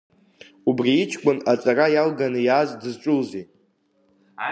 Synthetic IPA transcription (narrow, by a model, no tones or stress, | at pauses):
ubriːt͡ʃʰkʷʼʊnat͡sʼarajalɡanɨjaːzdɨzʈ͡ʂʷʼʊlzi